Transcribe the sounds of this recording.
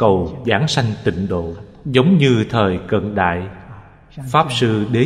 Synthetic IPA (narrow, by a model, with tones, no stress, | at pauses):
kə˨˩wzaː˨˩˦ŋsa˧jŋ̟t̪ï˧˨ŋ̟ɗo̰˧˨ | zə˨˦wŋ͡mɲɨ˧t̪ʰəː˨˩jkə̰˧˨nɗa̰ː˧˨j | faː˦˥p̚sɨ˧ɗe˨˦